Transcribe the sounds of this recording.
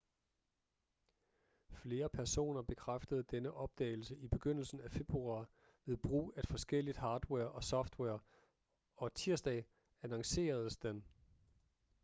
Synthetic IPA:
fle̝ːɐpʰæɐso̝̰ːnɐb̥e̝kʰʁafd̥əð̞ˠd̥enəʔɒ̽b̥̚d̥ɛ̰ːɪl̩səʔib̥e̝ɡ̥øn̰l̩sn̩æfe̝b̥ʁuɑ̈ː | ʋe̝ðˠb̥ʁṵːæd̥fɒ̽sɡ̥el̰id̥hɑ̈ːd̥weɐ̰ʔɒ̽sɒ̽fd̥wɛɐ | ɒ̽t͡sʰiɐsd̥ɛ̰ː | ænɑŋse̝̰ːɐð̞̩ˠsd̥en

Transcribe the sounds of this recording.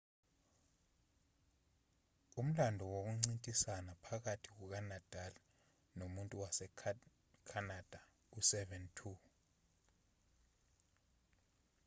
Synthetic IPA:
um̩landʱɔwok̬uŋ͡ǀintʼisanapʰak̬atʰik̬uk̬anad̥ʱala | nomuntʼuwasɛ | kʰanad̥ʱa | usɛvɛntʰu

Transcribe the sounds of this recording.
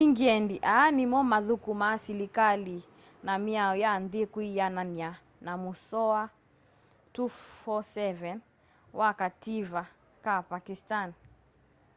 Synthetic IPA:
iŋɡiɛndiʔanimɔmaðukumasilikali | namiaɔjanðikwijanania | namusɔa | tufɔsɛvɛn | wʔakativa | kapakistan

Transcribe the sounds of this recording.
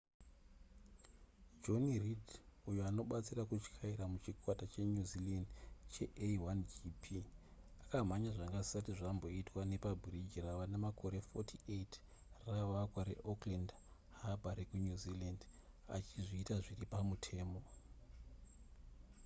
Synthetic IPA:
d͡ʒo̞niridujuano̞ɓat͡sirakut͡ʃkʰaiɾamut͡ʃikwatat͡ʃeɲuzilandt͡ʃe̞ʔewand͡ʒipʰi | akam̤aɲaʐaŋɡazisatiʐambo̞itwane̞pabʱrid͡ʒiraʋanemakʰo̞ɾe̞fotʰiet | raʋakwaɾḛʔokland | habʱaɾekuɲuziland | a̰t͡ʃiʐiːtaʐiripamutʰe̞ːmo̞

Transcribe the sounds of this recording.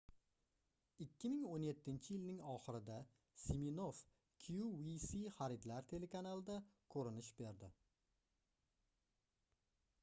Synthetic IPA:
ɪkʲːɪmɪŋonje̞t̪ʰːɪnt͡ʃʰɪjɪlnɪŋɒχɪɾɪd̪a | siminof | kʲʰjuwisiχaɾɪd̪laɾt̪ʰe̞le̞kanalˠɪd̪akʰɵɾɪnɪʃbe̞ɾd̪ɪ

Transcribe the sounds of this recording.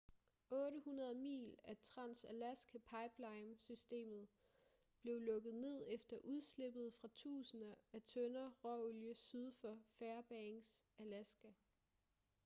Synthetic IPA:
ɔ̽ːɾəhunɐð̞ˠmḭːlæt͡sʰʁɑ̈n̰sælæsɡ̥əpʰɑ̈ɪb̥lɑ̈ɪmsysd̥e̝̰ːmð̩ˠ | b̥le̝ʊlɔ̽ɡ̥ð̩ˠne̝ð̞̰ˠefd̥ɐʔuð̞ˠsle̝b̥ð̞̩ˠfʁɑ̈t͡sʰṵːsənɐæt͡sʰønɐʁɒoljəsyð̞ˠfɒfæɐb̥ɛŋsælæsɡ̥æ

